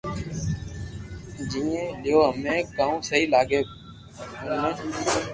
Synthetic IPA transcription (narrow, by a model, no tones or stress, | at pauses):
d͡ʒĩːẽːlɪjoːɦəmẽːkaːũːsəɦiːlaːɡeː | uːnẽː